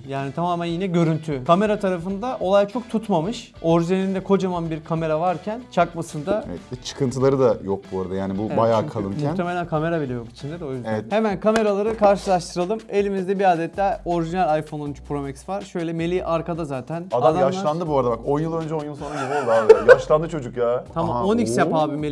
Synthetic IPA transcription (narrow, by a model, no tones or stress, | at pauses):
jaːnit̪ʰamaːmænjinɛɟø̞ɾynt̪ʰykʰame̞ɾat̪ʰaɾafɯnd̪aʔo̞lˠajt͡ʃʰo̞k̚t̪ʰut̪mamɯʃ | o̞ɾʒinelʲind̪ɛkʰo̞d͡ʒamanbiɾkʰame̞ɾavaɾcʰænt͡ʃʰakmasɯnd̪a̰ɛt͡ʃʰɯ̥kʰɯnt̪ʰɯlˠaɾɯd̪ajok̚buaɾad̪ajaːnibubajaːkʰalˠɯmmʲmuxnʰeme̞lʲænkʰame̞ɾabilʲɛjo̞ki̥t͡ʃʰind̪ed̪ɛo̞jyzd̪evɛt̪he̞mænkʰame̞ɾalˠaɾɯkʰaɾʃɯlˠaʃt̪ʰɯɾalˠɯme̞lʲimizd̪ɛbiaːd̪ɛt̪lʲæo̞ɾiʒinælʲajfo̞nonyt͡ʃpʰɾo̞mɛksvaɾ̥ʃø̞jlʲɛme̞lʲiʔaɾkad̪azaːt̪ʰænad̪ad̪aaʃlˠand̪ɯbuaɾd̪abako̞njɯlˠø̞nd͡ʒɛonjunsonɾaɟibiolˠd̪uaajaaʃlˠand̪ɯt͡ʃʰo̞d͡ʒukjaːt̪ʰamamonicsjapaːbime